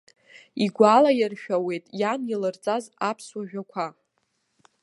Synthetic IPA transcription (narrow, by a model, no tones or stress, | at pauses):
iɡʷalajɪrʃᶣawe̞jtʼjanilɨrt͡sʼazapʰswaʒᶣakʷʰa